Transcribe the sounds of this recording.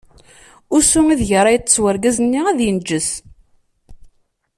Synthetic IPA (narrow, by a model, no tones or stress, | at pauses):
ʊsʊŋiðʝəɾˤɑjət̪ːə̥t͡sːwəɾɡæzənːiæðjənd͡ʒːəs